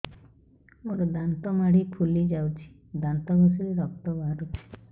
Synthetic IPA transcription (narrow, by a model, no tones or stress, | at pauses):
oɾɔd̪ant̪ɔmaɽipʰulid͡ʒawt͡ʃʰi̥ | d̪ant̪ɔɡɔsɔɾeɾɔkt̪ɔbaɦaɾut͡ʃʰi̥